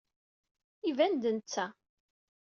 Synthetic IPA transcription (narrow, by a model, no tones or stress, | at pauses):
ivænd̪ənt͡sːæ